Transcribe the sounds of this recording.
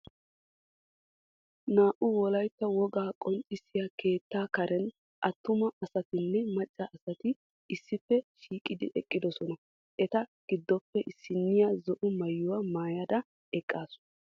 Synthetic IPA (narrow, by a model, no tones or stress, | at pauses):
naːʔʊwɔlɐjt̪ːɐwɔɡaːkʼɔnt͡sʼːɪsɪjɐke̞ːt̪ːaːkɐɾɛn | ʔɐt̪ːʊmɐʔɐsɐt̪ɪnːɛmɐt͡ʃʼːɐɐsɐt̪ɪ | ɪsːɪfːɛʃiːkʼɪd̪ɪ̰ʔɛkʼːɪd̪ɔsɔnɐ | ʔɛt̪ɐɡ̥ɪd̪ːɔpːɛʔɪsːɪnːɪjazɔʔʊmɐjːʊwɐmaːjɐd̪ɐ | ɛkʼːaːsʊ̥